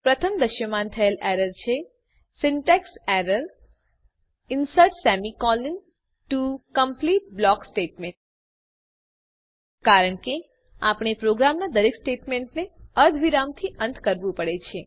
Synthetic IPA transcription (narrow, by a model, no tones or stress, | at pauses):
pɾət̪ʰəmd̪əʃjəmant̪ʰəeleɾəɾt͡ʃʰe | sɪɳʈekseɾəɾ | ɪnsəɾʈsɛmikɔlɪn | ʈukəmpliʈ̚blɔksʈeʈmeɳʈ̚ | kaɾəɳke | a̰pɽ̃epɾoɡɾamnad̪əɾeksʈeʈmeɳʈneəɾd̪ʱʋiɾamt̪ʰiʔə̃nt̪ʰkəɾʋũpəɽet͡ʃʰe